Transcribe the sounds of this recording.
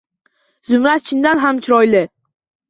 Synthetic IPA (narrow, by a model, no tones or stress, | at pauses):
zʊmɾat̪̚t͡ʃʰɪnd̪anɦamt͡ʃʰɪɾɒjlɪ